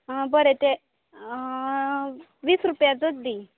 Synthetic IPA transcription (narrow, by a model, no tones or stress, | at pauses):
bəɾet̪e | ʋiːsɾupjad͡zod̪d̪i